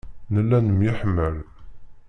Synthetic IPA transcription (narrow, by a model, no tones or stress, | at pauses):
nəlːænəmjəħmːəl